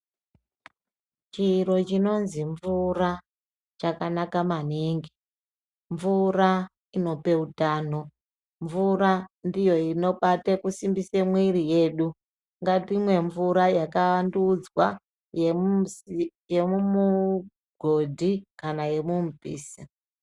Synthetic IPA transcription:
t͡ʃiːɾo̞t͡ʃino̞nziɱvura | t͡ʃakanakamaniŋɡi | ɱvura | ino̞pe̞utaːno̞ | ɱvuɾandijo̞ino̞ɓatekusimbisemwirije̞ːɗu | ŋɡatimwe̞ɱvuɾajakaandud͡zwa | j | je̞mumu | ɡ̥ʱo̞dʱikanaje̞mumubḭːsi

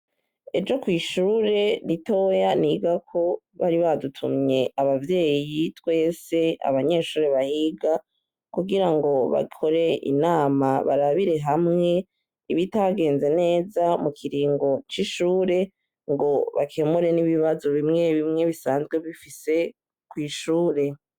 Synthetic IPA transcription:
e̞d͡ʒo̞kwiːʃuːɾe̞nito̞janiɡakʰo̞ | βaɾiβadutʰṵmɲe̞ʔaβavje̞ːjitwe̞ːse̞a̰βaɲe̞ːʃuːɾe̞βahiɡa | kuɡiɾaŋɡo̞βa̰kʰo̞ɾe̞ʔḭnaːmaβa̰ɾaβiɾe̞ɦamŋe̞ | iβitaɡe̞ːnze̞ne̞ːzamukʰiɾiːŋɡo̞t͡ʃiʃuːɾe̞ | ŋɡo̞βakʰe̞muɾe̞niβiβazoβimŋe̞βimŋe̞βisaːnzɡwe̞βifise̞ | kwiːʃuːɾe̞

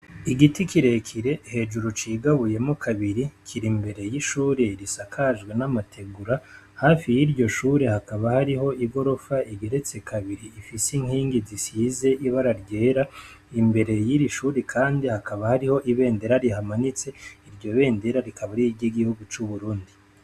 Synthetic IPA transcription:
iɡitikiɾe̞kʰiɾe̞he̞ʒuɾot͡ʃiːɡaβuje̞mo̞kʰaβiɾikʰiɾimbe̞ɾe̞jiʃuːɾe̞ɾisakʰaʒɡwe̞namatʰe̞ɡuɾa | hafijiɾɟo̞ʃuːɾe̞hakaβahaɾiɦo̞iɡo̞ɾo̞faʔiɡe̞ɾe̞t͡se̞kʰaβiɾiːfisiŋ̥hiːŋɡizisizeʔiβaɾaɾɟe̞ːɾa | imbe̞ɾe̞jiɾiʃuːɾekʰaːndihakaβahaɾiho̞ʔiβe̞ːnde̞ɾaɾihamanit͡se̞iɾɟo̞βe̞ːnde̞ɾaɾikʰaβaɾijiɟiɡihuɡut͡ʃuβuɾuːndi

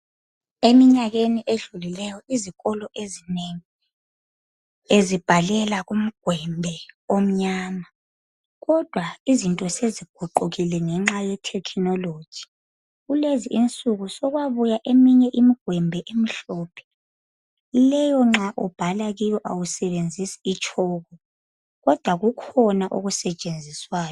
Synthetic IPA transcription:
emiɲaɣeniʔeɮulilɛjɔiziɣɔlɔʔezineŋi | ezib̥ʱalɛlaɣum̩ɡ̥ʱwɛmbʱɛom̩ɲaːma | ɣɔd̥ʱwaizintʼɔseziɡ̥ʱuǃuɣilɛŋɛŋ͡ǁajɛtʰɛkʰinɔlod̥ʒ̥ʱi̥ | ɣuleziʔint͡sʼuɣusɔɣwaβujaʔemiɲɛʔimiɡ̥ʱwɛmbʱɛʔem̩ɬɔːpʰɛ̥ | lɛjɔŋ͡ǁaʔɔb̥ʱalaɣijɔʔawusɛβend͡zʱisi̥it͡ʃʰʼɔːɣɔ | ɣɔd̥ʱwaɣukʰɔnaʔoɣusɛt͡ʃʼend͡zʱiswaːjɔ

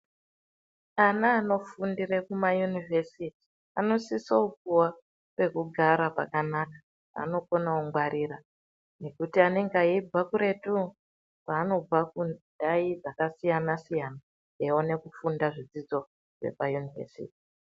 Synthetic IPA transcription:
anaːno̞fundirekumajunivesiti̥ | ano̞sisoukuwa | pe̞kuɡʱaɾapa̰kanakḁ | a̰no̞konauŋɡwaɾira | ne̞kutiane̞ŋɡaib͡vakuɾe̞tu | paːno̞b͡vakundaid͡zakasijanasijana | eone̞kufundaʐid͡zid͡zo̞ | ʐe̞̰pajunivḛsḭːti̥

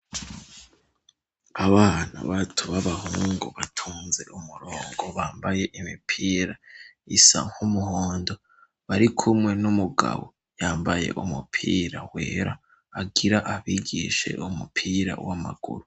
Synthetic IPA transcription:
aβaːna̰βatʰuβaβaɦuːŋɡuβatʰuːnze̞ʔumuɾoːŋɡo̞βaːmbaje̞ʔimipʰiːɾaisa̰ŋ̥humuhoːndo̞ | βaɾikʰumŋe̞numuɡa̰βo̰ | jaːmbaje̞̰ʔumupʰiːɾaweːɾaː | ɡiɾaʔaβiɡḭʃe̞̰ʔumupʰiːɾa̰wama̰ɡ̥ṵɾu

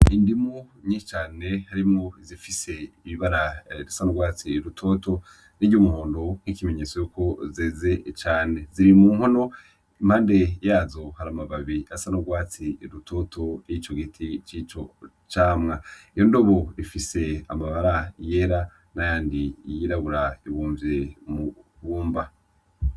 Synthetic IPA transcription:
indimuɲiːʃet͡ʃaːne̞haɾimŋoizifise̞iβiβaɾaɾisanoɡwaːt͡siɾutʰo̞to̞ | niɟumuhoːndo̞ŋ̥hikime̞ɲe̞t͡sojuko̞zeːze̞t͡ʃaːne̞ziɾimuːŋho̞no̞ | imhaːnde̞jaːzo̞haɾamaβaβiasanuɡwaːt͡siɾutʰo̞ːtʰo̞jit͡ʃo̞ɡitʰit͡ʃit͡ʃo̞ | t͡ʃaːmŋaijo̞ndo̞βo̞ɾifise̞a̰maβaɾaje̞ɾa | najaːndijiɾaβuɾaiβuːɱvjemuβuːmba

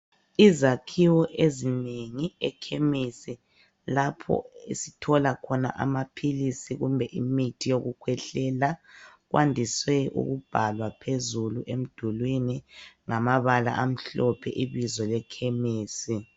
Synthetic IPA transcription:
izakʰiwɔʔezineŋiɛkʰemisi | lapʰɔ̰ḛsitʰɔlakʰɔna̰ʔa̰mapʰilisiɣumbʱɛʔimitʰijoɣukʰwɛɬɛlaɣwʔa̰ndʱiswɛʔṵɣub̥ʱalwapʰezuluʔem̩d̥ʱulwiniŋamaβala̰ʔam̩ɬɔpʰɛʔiβizɔlɛkʰemiːsi

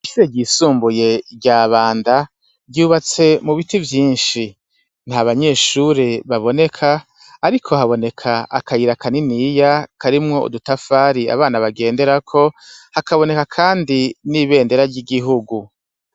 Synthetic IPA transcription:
iʃiɾeɟiːsuːmbuje̞ɟaːβaːnda | ɟuːβat͡se̞muβitivjiːnʃi | n̥haβaɲe̞ːʃuɾe̞βaβo̞ne̞kʰaː | ɾikʰo̞ɦaβo̞ne̞kʰaʔakʰajiɾakʰaniniːjakʰaɾimŋo̞ṵdutafaːɾia̰βaːnaβaɡe̞ːnde̞ɾakʰo̞hakaβo̞ne̞kakʰaːndiniβe̞ːnde̞ɾaɾɟiɡiɦuɡu

